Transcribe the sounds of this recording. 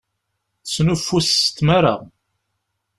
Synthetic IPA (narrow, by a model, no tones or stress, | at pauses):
θsnufːust̪ːmaɾa̰ʁ